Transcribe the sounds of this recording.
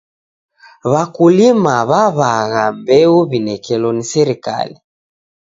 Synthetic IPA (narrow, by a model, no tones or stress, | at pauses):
βakulimaβaβaɣambɛuβinɛkɛlɔnisɛɾika̰li